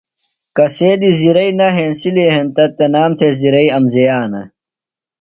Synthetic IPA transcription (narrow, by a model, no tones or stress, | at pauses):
kɐseːd̪iziɾɐinɐɦensiliɦent̪ɐt̪ːenaːmt̪ʰeziɾɐiɐmzejaːnɐ̰